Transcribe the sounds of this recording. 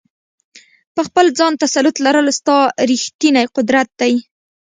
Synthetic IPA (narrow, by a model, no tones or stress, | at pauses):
pəxpəld͡zɑnt̪asalʊt̪laɾəlst̪ɑɾixt̪inajqʊd̪ɾat̪̚d̪aj